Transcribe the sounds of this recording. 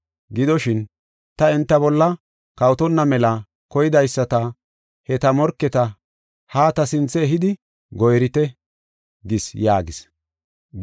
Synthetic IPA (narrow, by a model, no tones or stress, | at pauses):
ɡɪd̪ɔʃɪn | t̪ɐɛnt̪ːɐbɔlːɐ | kɐwt̪ɔnːɐmɛlɐ | kɔjɪd̪ɐjsːɐt̪ɐ | hɛt̪ɐmɔɾkːɛt̪ɐ | haːt̪ɐsɪnt͡sːɛːɦɪd̪ɪ | ɡɔjɾɪt̪ɛ | ɡɪsjaːɡɪs